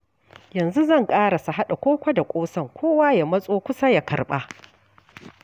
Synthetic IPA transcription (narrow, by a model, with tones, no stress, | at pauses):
jɐ˨nzu˦zɐ˦˨ŋkʼaː˦ɽa˨su˨ɦa˦ɗa˨kʷoː˦kʷa˦da˨kʷʼoː˦sɐ˦˨ŋkʷʰoː˦waː˦ja˨mɐ˦sʼoː˦kʷʊ˦sa˦ja˨kɐ̰˨rɓaː˦